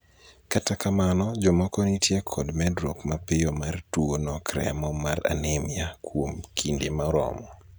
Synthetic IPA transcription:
katakamanɔd͡ʒɔmɔkɔnitjekʰɔdmɛdɾokmapɪjɔmartuonɔkɾɛ̰mɔmaɾa̰nemɪakʰwomkʰindemaɾɔ̰mɔ

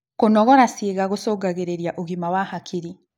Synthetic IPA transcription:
konɔɣɔɾasiːɣaɣusoːɡaɣeɾeɾjaʔoɣimawahakʰiɾi

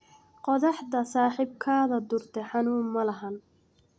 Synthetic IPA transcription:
qɔðɑħd̪ɐsaːħɪb̚kʰaːðɐd̪ʊrt̪ʰɛħɑnuːmːɐlɐɦɐn

